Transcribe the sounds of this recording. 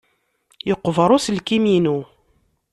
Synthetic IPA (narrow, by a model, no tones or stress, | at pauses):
jəqːvɾˤʊslkiminu